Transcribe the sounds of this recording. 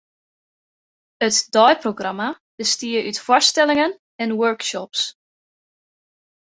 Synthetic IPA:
ətdɔjproɡrɑma | b̥əstiəʔytfwɔɹstɛlɪŋən | ɛnwøɹkʃɔps

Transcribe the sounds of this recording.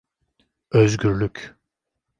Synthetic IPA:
øzɟʲyɾlʲyc

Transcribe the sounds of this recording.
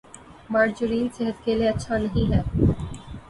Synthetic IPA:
maːɾd͡ʒʊɾiːnseɦət̪̚kelieɐtːʃʰanɐɦĩɦɛː

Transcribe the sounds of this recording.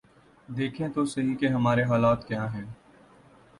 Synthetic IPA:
d̪eːkʰẽt̪osɐɦikeɦɐmaːɾeɦaːlaːt̪kjaːɦɛ̃ː

